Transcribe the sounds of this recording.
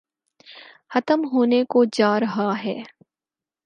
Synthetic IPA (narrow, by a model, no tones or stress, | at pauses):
xɐt̪əmɦoːnekod͡ʒaːɾɐɦaɦɛː